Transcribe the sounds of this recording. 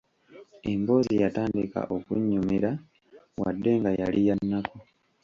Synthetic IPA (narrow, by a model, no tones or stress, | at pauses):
embo̞ːzijataːndika̰ʔokuɲːumiɾa | wa̰dːe̞ŋɡajalijanːako